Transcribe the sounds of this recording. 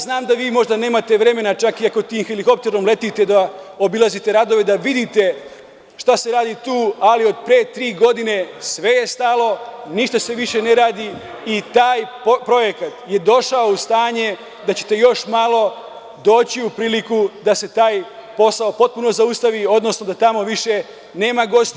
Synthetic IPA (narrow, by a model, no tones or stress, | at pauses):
znaːmd̪aʋiːmo̞ʒd̪ane̞ːmat̪e̞ʋɾe̞me̞nat͡ʃakiakot̪iːmxeliko̞p̚t̪eɾomle̞t̪it̪e̞d̪ao̞bilˠazit̪e̞ɾad̪o̞ʋe̞d̪aʋid̪it̪e̞ | ʃt̪ase̞ɾaːd̪it̪uːalio̞d̪̚pɾeːt̪ɾiːɡo̞d̪ine̞sʋe̞je̞st̪alˠo̞niʃt̪ase̞ʋiʃe̞ne̞ɾaːd̪i | it̪aːj | pɾo̞je̞kat̪je̞d̪o̞ʃaoust̪aːɲe̞ | d̪at͡ɕe̞̥t̪e̞jo̞ʃmalˠo̞ | d̪o̞ːt͡ɕiupɾiːlikud̪ase̞t̪aːjpo̞saopo̞t̪̚puno̞zaust̪aʋio̞d̪no̞sno̞d̪at̪amo̞ʋiʃe̞ | ne̞ːmaɡo̞st̪